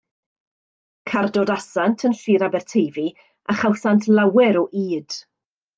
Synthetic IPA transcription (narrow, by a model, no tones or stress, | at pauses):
kʰardoːdasantʰənɬiːɾabɛrtʰejvi | aχawsantʰlˠawɛɾɔʔiːd̥